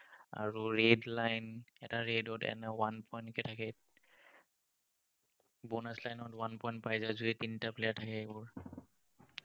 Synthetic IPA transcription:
a̰ɹuɹedlajnɛtaɹedɔtɛ̰nɛwanpʰɔjntkɛtʰakɛ | bɔnaslajnɔtwanpɔjnt̚pajzazuɛtintaplɛatʰakɛebɔɹ

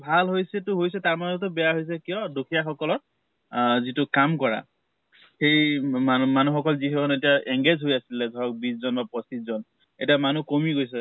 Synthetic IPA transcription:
bʱalɦojsɛtʊɦojs̬ɛtaɹmazɔtʊbɛjaɦojs̬ɛkijɔdokʰijaxɔkɔlɔt̚ | zitʊkamkɔɹa̰ | xejamanuxɔkɔlzixɔkʰɔnetiaʔɛŋɡezʱɦojasilɛdʱɔɹɔk̚bizzɔnbapɹɔsizɔn | etiamanukomiɡojs̬ɛ

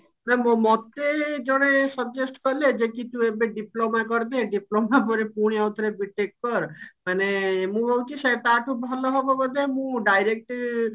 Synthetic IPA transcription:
nɛmomɔt̪ed͡ʒɔɽ̃esəbd͡ʒesʈkɔled͡ʒekit̪ũebeɖiplomakɔɾd̪eɖiplomapɔɾepuɽ̃iawt̪ɾebiʈek̚kɔɾmanemũbowkisat̪aʈʰubʱɔlɔɦɔbɔbɔd̪emũɖajɾek̚ʈ

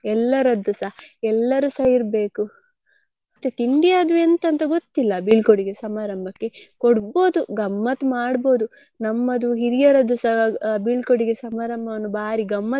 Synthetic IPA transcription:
ɛlːɐɾɐd̪ːusɐhɛlːɐɾusɐjiɾbe̞ːku | ɐt̪ːet̪iɳɖijaɐd̪uent̪ɐnt̪ɐɡot̪ːilːɐbiːɭkoɽiɡesɐmaːɾɐmbʱɐkːe̞koɽbo̞ːd̪uɡɐmːɐt̪maːɽbo̞ːd̪u | nɐmːɐd̪uɦiɾijɐɾɐd̪ːusɐbiɭkoɽiɡesɐmaːɾɐmbʱɐʋɐnːubaːɾiɡɐmːɐ

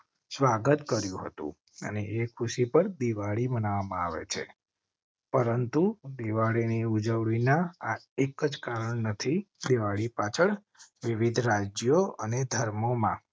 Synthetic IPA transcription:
sʋaɡət̪kəɾjũɦə̰t̪ṵ̃ | ə̰neekʰuʃipəɾd̪iʋaɭibənaʋamãa̰ʋḛt͡ʃʰḛ | pəɾənt̪ud̪iʋaɭiniud͡ʒəʋɭinaaekəd͡ʒkaɾəɳnət̪ʰid̪iʋaɭipat͡ʃʰəɳ | ʋiʋid̪ʱɾad͡ʒjoəned̪ʱəɾmomã

